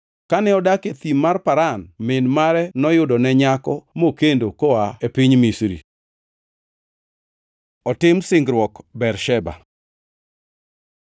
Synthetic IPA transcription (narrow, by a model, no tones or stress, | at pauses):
kanɛɔdaket̪imːarpaɾanmɪnmaɾɛnɔjʊdɔnɛɲakɔmokendokoaepiɲmisɾḭ | ɔtɪmsɪŋɡɾwɔkbɛrʃɛba̰